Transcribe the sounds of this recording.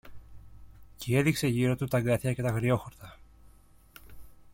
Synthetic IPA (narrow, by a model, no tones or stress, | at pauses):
cee̞ðikse̞ʝiɾo̞t̪ut̪ɐɡɐθçɐce̞t̪ɐɣɾio̞xoɾt̪ɐ